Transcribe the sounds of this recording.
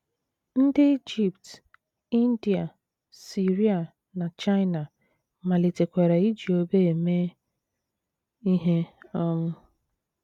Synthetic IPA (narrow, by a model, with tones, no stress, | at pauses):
n̩˦dɪ˦i˦d͡ʒi˨pt | i˦n̩˦di˨a˨ | si˨ɾi˦a˨ | na˨t͡ʃa˦ɪ˦na˨ | ma˨li˨te˨kʷe˨ɾe˨i˦d͡ʒi˨o˦be˦e˨me˦ | i˦ɦe˦ɔ˦mʊ˦